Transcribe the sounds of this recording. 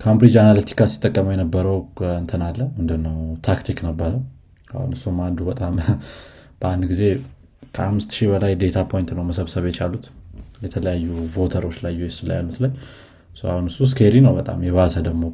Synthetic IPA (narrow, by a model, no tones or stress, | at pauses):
kʰambɾid͡ʒanalət̪ʰi̥kasi̥t̪ʼːəkʼːəməwjɛnəbːəɾəwɨnt̪ʰənalːəhmɨnd̪ɨnːəwt̪ʰakt̪ʰiknəbːəɾə | a̰hṵnɨsːumand̪ubət̪ʼam | b̥əand̪ɡize̞ | kʰəamːɨst̪ʃibəlajd̪e̞t̪ʰapʰo̞jnt̪nəwməsəβsəβjɛt͡ʃʰalːut̪jɛt̪ʰələjajːuvo̞t̪ʰəɾo̞t͡ʃːlajːujɛsɨlːa̰jalːut̪laj | sua̰hunɨsːus̬kʰeɾinəwbət̪ʼa̰mjɛβasəd̪əɡmo̞